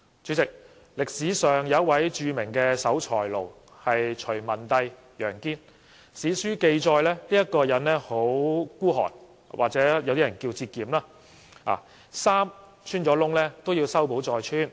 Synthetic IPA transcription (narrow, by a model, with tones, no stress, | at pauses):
t͡ʃy˨˥t͡sɪ˨k̚ | lɪ˨k̚siː˨˥sœː˨ŋjɐ˨˧˦ɐ˥t̚wɐ˨˥jt͡ʃyː˧mɪ˨˩ŋkɛː˧sɐ˨˥wt͡ʃʰɔː˨˩jlo˨˩w | hɐ˨jt͡ʃʰɵ˨˩mɐ˨˩nt̪ɐ˧j | jœː˨˩ŋkiː˥n | siː˨˥syː˥ke˧jt͡sɔː˧jlɛː˥liː˥jɐ˥t̚kɔː˧jɐ˨˥nlɛː˥ho˨˥wkuː˥ɦɔ̰ː˨˩n | wʔaː˨k̚t͡sɛː˨˥jwt̪iː˥ɐ˨˩nkiː˧wt͡siː˧t̚kiː˨mlaː˥ | ʔa̰ː˨˩ | saː˥m | t͡ʃʰyː˥nt͡ʃɔː˨˥lʊ˥ŋlɛː˥t̪o˥wjiː˧wsɐ˥wpo˨˥wt͡sɔː˨jt͡ʃʰyː˥n